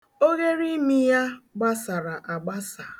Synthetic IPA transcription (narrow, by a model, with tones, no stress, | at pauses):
o˦ɣe˦ɾi˦mi˦ja˦ɡ͡ba˦sa˨ɾa˨ʔa˨ɡ͡ba˦sa˨